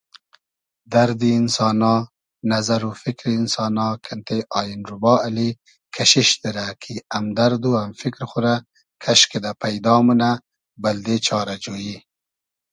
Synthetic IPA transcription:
d̪aɾd̪iːnsɑːnɑː | nazaɾufikɾiːnsɑːnɑːkʰant̪eʔɑːjinɾʊbɑːali | kʰaʃiʃd̪əɾakʰiamd̪aɾd̪uamfikɾxuɾa | kʰaʃked̪apajd̪ɑːmuna | bald̪et͡ʃɑːɾad͡ʒoji

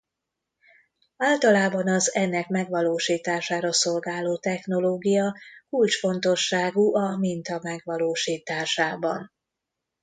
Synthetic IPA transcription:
aːlt̪ɒlaːbɒnɒzɛnːɛkmɛɡʋɒloːʃiːt̪aːʃaːɾɒso̞lɡaːloːt̪ɛxno̞loːɡijɒkult͡ʃfo̞nt̪o̞ʃːaːɡuʔɒmint̪ɒmɛɡʋɒloːʃiːt̪aːʃaːbɒ̰n

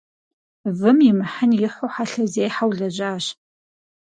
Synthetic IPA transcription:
vɨmimɨħanjɪħʷoħaɬɐzeːjħawɮɐʑʷaːɕ

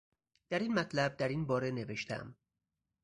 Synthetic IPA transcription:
d̪̥æɾiːnmæt̪ʰlæb̚d̪æɾiːnbɒːɾe̞ne̞veʃt̪ʰæ̰m

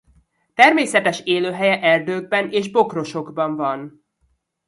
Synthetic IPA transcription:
t̪ɛrmeːsɛt̪ɛʃeːløːɦɛjɛʔɛrd̪øːɡ̚bɛnʔeːʒbo̞kro̞ʃo̞ɡbɒɱvɒn

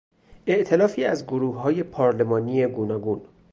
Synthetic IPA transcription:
ʔe̞ʔt̪ʰe̞lɒːfiːæzɡoɾuːhɦɒːje̞pʰɒːɾle̞mɒːnije̞ɡuːnɒːɡuːn

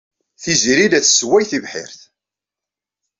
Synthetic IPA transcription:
θiziɾilæt͡sːswæjθivħɪ̰ɾθ

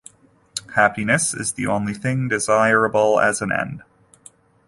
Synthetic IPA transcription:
hæpinɨsɪ̰zðiʔõ̰ʊ̃nliθɪ̃ŋdɨzaɪɹɨbl̩ˠɨ̰z̃n̩ɛ̰̃nd̥

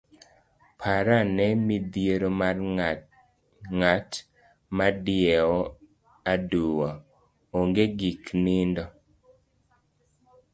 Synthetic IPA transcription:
pʰaɾanɛmid̪jeɾomar | ŋat | madɪɛɔ | aduwa | oŋɡeɡiknindɔ

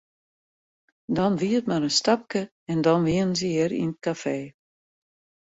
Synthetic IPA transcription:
dɔnʋiətmaɾənstap̚kə | ɛndɔnʋiənənsiɪɾḭnət̚kafeː

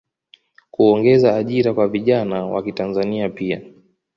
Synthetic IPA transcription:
kuɔŋɡɛzaːʄiɾakwaviʄanawa̰kitanzaniapia

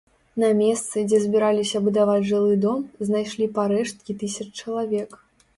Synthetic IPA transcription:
nɐmʲɛst̪sɨd͡zʲɛzʲbʲiɾalʲisʲɐbud̪avad͡zʲʐɨlˠɨd̪ɔmznajʂlʲipaɾɛʂt̪̚kʲit̪ɨsʲɐt͡ʂt͡ʂɐlˠavʲɛk

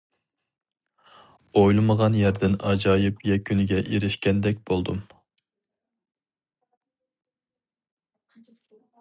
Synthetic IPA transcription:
ojlˠɨməʁɑnjæɾd̪ɪnɑd͡ʒɑːjɪpjɛkʲʰynɪɡʲɛʔeɾɪʃkʲɛnd̪ɛkʲb̥olˠd̪um

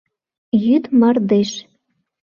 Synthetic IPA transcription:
jyt̪mɑrd̪eʃ

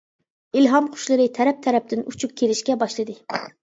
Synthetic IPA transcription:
ilɦɑmqʰʊ̥ʃlˠɨɾɨt̪ʰɛɾɛp̚t̪ʰɛɾɛp̚t̪ɪnut͡ʃʰup̚kʲʰeɾɪʃkʲɛbɑʃlˠɨd̪ɨ

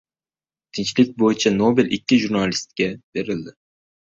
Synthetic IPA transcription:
t̪ʰɪnt͡ʃlɪk̚ʲbojɪt͡ʃʰanobelɪkʲːɪʒuɾnalɪst̪̚kʲab̥e̞ɾɪld̪ɪ

